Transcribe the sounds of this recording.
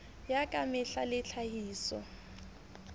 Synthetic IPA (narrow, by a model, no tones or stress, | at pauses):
jakʼamɪɬalɪɬʰahiːsɔ̰